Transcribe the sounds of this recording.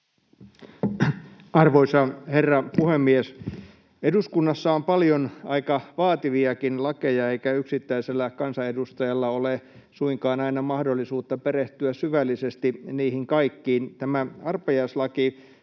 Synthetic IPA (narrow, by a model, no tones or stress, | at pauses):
ɑrʋoisɑherːɑpuhemːies | eduskunːɑsːɑompɑljonɑikɑʋɑːt̪iʋiɑkinlɑkejɑeikæyksit̪ːæiselːækɑnsɑedust̪ɑjɑlːɑole | suiŋkɑːnɑinɑmɑhdolːisuːt̪ːɑpeɾeht̪yæsyʋælːisest̪iniːhiŋkɑikːiːnt̪æmæɑrpɑjɑislɑki